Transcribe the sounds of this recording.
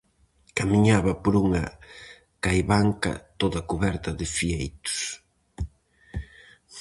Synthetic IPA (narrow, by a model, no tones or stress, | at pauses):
kamiɲaβɐpoɾuŋɐ | kajβaŋkɐ̰t̪oðɐkuβɛɾt̪ɐðɪfiejt̪ʊ̥s